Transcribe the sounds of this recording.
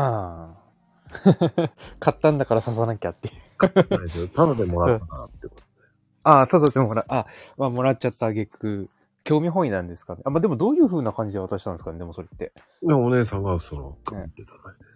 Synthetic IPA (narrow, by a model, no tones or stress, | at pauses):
a | kʰat̪ːãnd̪akaɾasas̬anãkʲat̪ːe̞jɯst̪ad̪ad̪emo̞ɾat̪ːanat̪ːeko̥t̪od̪̥e | asad̪at̪ːemoɾaʔamaːmo̞ɾat̚t͡ɕat̪ːaɡe̞kːɯ̟ | kʲo̞ːmʲiɦõ̞inãnd̪e̞sɨ̥kane̞ʔamaːd̪e̞mo̞d̪o̞ːjɯ̟ːɸɯ̟ːnakãɲ̟d͡ʑid̪eβat̪aɕi̥t̪ãnd̪esɨ̥kaned̪e̞mo̞so̞ɾe̞t̪ːe̞ | jaone̞ːs̬ãŋɡasono̰kaeit̪ːet̪ḁnaid̪es